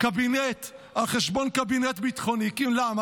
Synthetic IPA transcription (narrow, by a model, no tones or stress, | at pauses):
kabinet̪ | aχeʃbonkabinet̪bit̪χonikimlama